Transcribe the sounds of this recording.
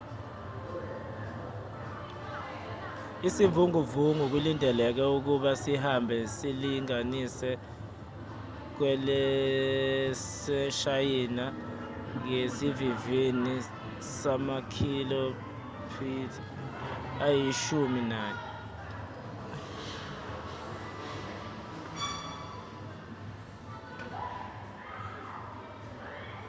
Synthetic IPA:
isivuŋuvuŋuk̬ulindʱɛlɛk̬ɛuk̬uɓasiɦambʱɛsiliŋanisɛ | k̬wɛlɛ | sɛʃajina | ŋesiviveni | samakʰilo | pʰitʰa | ajiʃuminaːnɛ

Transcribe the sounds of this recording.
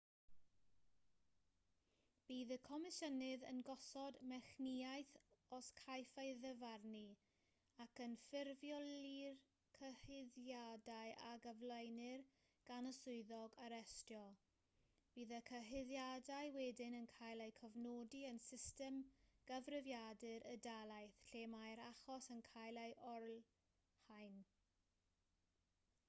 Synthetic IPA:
b̥iːðəkʰɔmɪʃənɨðə̰nɡɔsɔdmɛχniajθɔskʰajfajðəvarni | akənfɪrvjɔlir | kʰəhɪðjadajʔa̰ɡəvlˠəjnɪr | ɡ̥anəsʊɨðɔɡaɾɛstjɔ | b̥iːðəkʰəɦɪðjadajwɛdɪnənkʰajlˠejkʰəvnodiənsɪstɛmɡ̥əvrɪvjadɨɾədalˠajθɬeːmajɾaχɔsənkʰajlˠeɨʔɔrl | hajn

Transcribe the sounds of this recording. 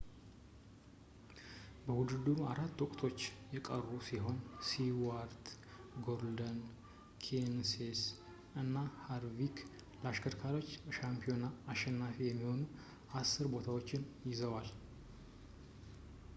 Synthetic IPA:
bəwud̪ɨd̪uaɾat̪ːwɔkʼt̪ʰo̞t͡ʃːjɛkʼərːusiɦo̞nsiwaɾt̪ | ɡo̞ɾld̪ən | kʰenses | ɨnːahaɾvik | laʃkʰəɾkʰalo̞t͡ʃːʃampʰio̞naːʃːɛnːafijɛmːiho̞nu | asːɨɾbo̞t̪ʰawot͡ʃːɪnjɪzəwal

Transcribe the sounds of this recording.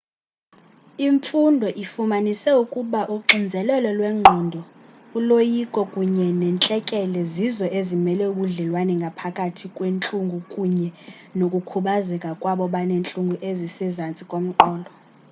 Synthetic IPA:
iɱfundʱɔʔifumanisɛukʼuɓaʔuǃʱind͡zʱɛlɛlɔlwɛŋ͡ǃʱɔndʱɔ | ulojikʼɔkʼuɲɛnɛnt͡ɬʼɛkʼɛlɛzizɔʔezimɛlɛuɓuɮɛlwanɛŋɡʱapʰakʼatʰikʼwent͡ɬʼuŋɡʱukʼuɲɛ | nokʼukʰuɓazɛkʼakʼwaɓɔɓanent͡ɬʼuŋɡʱuʔezisɛzant͡sʼikʼom̩ǃɔːlʱɔ

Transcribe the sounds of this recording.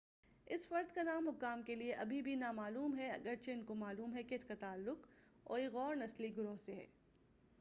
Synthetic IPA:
ɪsfɐɾd̪kanaːmɦʊkaːmkelieʔɐbʱibʱinamaːluːmɦɛɐ̰ɡəɾt͡ʃʰeɪnkomaːluːmɦɛkeɪskat̪aːlːʊk | ɔ̰ːɾeɣɔːɾnɐsliɡʊɾoːɦseɦɛ̰ː

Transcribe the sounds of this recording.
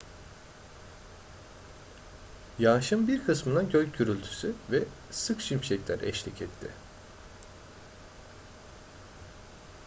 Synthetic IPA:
jaːʃɯmbiɾkʰɯsmɯd̪aɟøjɟyɾylʲt̪ʰy̥syvɛ | sɯkʃimʃɛclʲæ̰ɾʔɛ̰ʃlʲicʰɛt̪ʰːɪ̰

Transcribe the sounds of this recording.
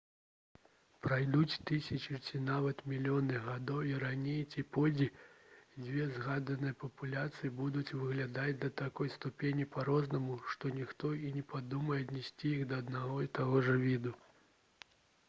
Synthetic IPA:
pɾajd̪ut͡sʲt̪ɨsʲɐt͡ʃit͡sʲinavɐt̪mʲilʲijɔnɨɣad̪ɔwiɾanʲejt͡sʲipɔd͡zʲid͡zʲvʲɛzɣad̪ɐnɨjɐpɐpulʲat̪sɨjibud̪ut͡sʲvɨɣlʲad̪ad͡zʲd̪ɐt̪akɔjst̪upʲenʲipaɾɔznɐmuʂt̪ɔnʲixt̪ɔinʲɛpʰad̪umɐjɛɐd̪ʲnʲɛsʲt͡sʲijiɣd̪ɐːd̪naɣɔit̪aɣɔʐɐvʲid̪u

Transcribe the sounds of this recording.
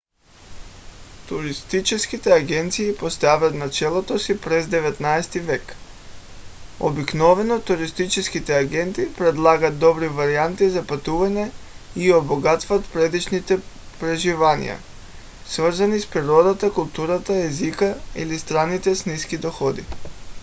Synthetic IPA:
t̪uɾist̪it͡ʃɛskit̪ɛaɡɛnt̪siːpost̪avat̪nat͡ʃɛlˠot̪osipɾɛzd̪ɛvɛt̪naɛst̪ivɛk | o̰biknɔvɛnɔt̪uɾist̪it͡ʃɛskit̪ɛaɡɛnt̪ipɾɛd̪lˠaɡat̪̚d̪ɔbɾivaɾiant̪izapat̪uvaɲɛioboɡat̪vat̪pɾɛd̪it͡ʃnit̪ɛ | pɾɛʒivanḭja̰ | svrzanispɾiɾɔd̪at̪akulˠt̪uɾat̪aɛzikaḭlist̪ɾanːit̪ɛsniskid̪ɔxɔd̪ḭ

